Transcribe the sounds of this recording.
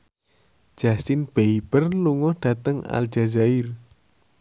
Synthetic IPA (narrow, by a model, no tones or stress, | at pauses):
ʒ̥asɪnb̥eib̥ərluŋɔhɖ̥ä̤t̪əŋa̰ld͡ʒ̥azaɪr